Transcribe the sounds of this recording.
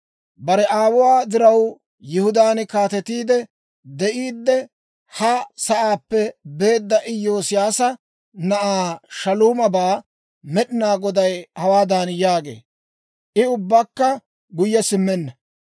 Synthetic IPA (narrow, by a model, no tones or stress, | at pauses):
bɐɾɛʔaːwʊwaːd̪ɪɾɐw | jɪhʊd̪aːnkaːt̪ɛt̪iːd̪ɛ | d̪ɛʔiːd̪ːɛ | hɐsɐʔaːpːɛbe̞ːd̪ːɐʔɪjːo̞ːsɪjaːsɐ | nɐʔaːʃɐluːmɐbaː | mɛɗɪnaːɡɔd̪ɐjhɐwaːd̪anjaːɡe̞̰ː | ʔɪʊbːɐkːɐ | ɡʊjːɛsɪmːɛnːɐ